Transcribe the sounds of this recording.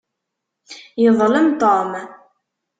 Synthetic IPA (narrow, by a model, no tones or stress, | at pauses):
jəðˤləmt̪ˤom